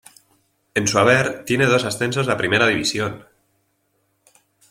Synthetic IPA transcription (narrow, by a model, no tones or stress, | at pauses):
e̞nsuaβ̞eɾt̪je̞ne̞ð̞o̞sasθe̞nso̞zlapɾime̞ɾaðiβisjo̞n